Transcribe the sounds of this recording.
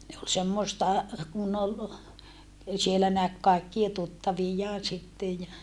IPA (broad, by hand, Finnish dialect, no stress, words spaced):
ne ol semːoĕstɑ kun ol sielːæ næk kɑikːie tutːɑʋijːɑːn̞ sitːej jɑ